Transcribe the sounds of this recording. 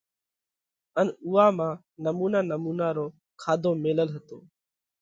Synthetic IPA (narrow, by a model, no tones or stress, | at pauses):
ənuːaːmãː | nəmuːnaːnəmuːnaːɾoː | kʰaːd̪ʱoːmeːləlɦət̪o̰ː